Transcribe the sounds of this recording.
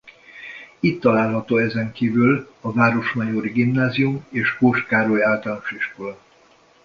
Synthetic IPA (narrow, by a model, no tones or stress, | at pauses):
it̪ːɒlaːlɦɒt̪oːɛzɛŋkiːvyl | ɒvaːɾo̞ʃmɒjoɾiɡimnaːziumeːʃkoːʃkaːɾojaːlt̪alnoʃiʃkolɒ